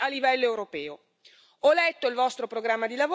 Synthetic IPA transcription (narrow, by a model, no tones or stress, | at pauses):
alːivɛlːoewɾopɛːo | ɔlɛt̪ːoilvɔst̪ɾopɾoɡɾamːad̪ilavo